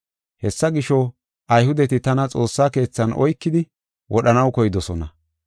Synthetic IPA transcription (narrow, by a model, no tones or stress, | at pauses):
hɛsːɐɡɪʃɔ | ʔɐjhʊd̪ɛt̪ɪt̪ɐnɐt͡sʼo̞ːsːaːke̞ːt͡sːɐnʔɔ̰jkːɪd̪ɪ | wʔɔɗɐnɐwkɔjɪd̪ɔsɔnɐ̰